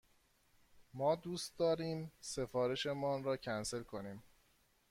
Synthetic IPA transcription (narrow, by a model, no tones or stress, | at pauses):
mɒːd̪uːst̪̚d̪ɒːɾiːmse̞fɒːɾe̞ʃe̞mɒːnɾɒːcʰænse̞lkʰo̞niːm